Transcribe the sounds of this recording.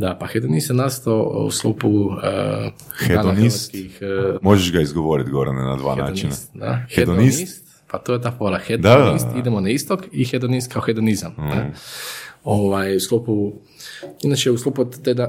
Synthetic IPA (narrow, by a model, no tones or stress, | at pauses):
d̪apaxed̪onist̪enast̪oṵslˠupu | xeanonikixmoʒeʃɡaizɡoʋoɾit̪ɡoɾnena̰d̪ʋa̰ːna̰ːont͡ʃinst̪d̪a̰xed̪oninist̪ | pat̪ojet̪̬aːfoɾaxed̪d̪anist̪id̪emonaist̪okixed̪onist̪̚kʰaoxed̪onizamnɛ | oʋajuslˠupu | inat͡ʃeuslˠupot̪ed̪a